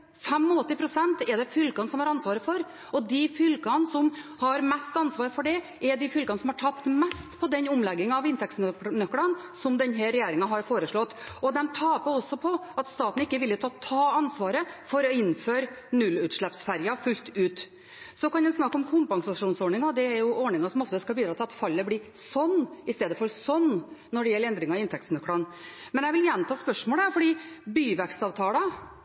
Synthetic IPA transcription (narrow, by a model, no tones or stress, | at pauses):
fɛmːɔɔt̪ːɪpʰɾʊsɛnt̪ɛɖ̪ɛfʏlkɑnsɔmhɑɾɑnsʋɑːɾəfɔɾ | ɔd̪ɪfʏlkɑnsɔmhɑɾmɛst̪ɑnsʋɑːɾfɔɖɛ | ʔɛɖɪfʏlkɑnəsɔmhɑʈʰɑp̚t̪mɛst̪pʰɔd̪ɛnʊmlɛɡːɪŋɑɑʋɪnt̪ʰɛksnnœkːɽɑn | sɔmd̪ɛnɦæɾɛjeːɾɪŋɑɦɑɾfoːɾəʂɭɔt̪ːɔd̪ɛmt̪ʰɑːpɔɔsːɔpʰɔɑt̪st̪ɑːt̪n̩ɪkːəʋɪlːət̪ʰɑːt̪ʰɑːɑnsʋɑːɾəfɔɾɔɪnːføːɾ | nʉlːʉːt̪ʂɭɛpsfæɾjɑfʉlt̪ʉːt̪ | sɔkɑnd̪ɛnsnɑkːɔmkʰʊmpɑŋsɑʂuːnsɔɳɪŋɑd̪ɛæɾjʊʔɔɳɪŋɑsɔmɔft̪əskɑbiːd̪ɾɑːt̪ɪlɑt̪fɑlːəbliː | sɔnːɪst̪eːd̪əfɔɾsɔnːɔɖɛjɛlːɛnd̪ɾɪŋɑɪnt̪ʰɛk̚t̪snœkːɽɑnmɛnjæʋɪljæːnət̪ʰɑːspœʂmoːləæɾfɔɖiːbyːʋɛkst̪ɑːʋt̪ʰɑːlɑ